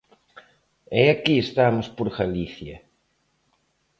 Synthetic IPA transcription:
eakiest̪amospoɾɣaliθjɐ

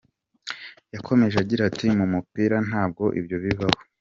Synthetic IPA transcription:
jakʰo̞me̞ʒeaɟiɾatimumupiːɾan̥haːb̚ɡo̞ʔḭbjo̞βiβaβo

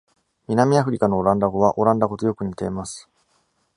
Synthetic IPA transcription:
mʲinamʲiaɸɯ̟ɾʲikano̞ːɾãnd̪aɡo̞β̞aʔo̞ɾãnd̪aɡo̞t̪ojo̞kɯ̟ɲ̟it̪e̞ːmasɨ̥

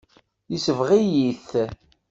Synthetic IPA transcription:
jisəvʁijiθ

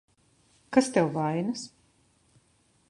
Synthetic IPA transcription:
kast̪ɛwvajnas

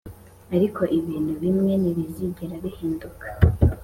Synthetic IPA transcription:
aɾikʰo̞ʔiβiːn̥huβimŋe̞niβiziɟeɾaβihiːndukḁ

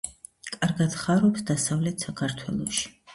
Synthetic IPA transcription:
kʼaɾɡad̪̥χaɾɔpsd̪asavlɛt̪ʰsakʰaɾt̪ʰwɛlˠɔʃi̥

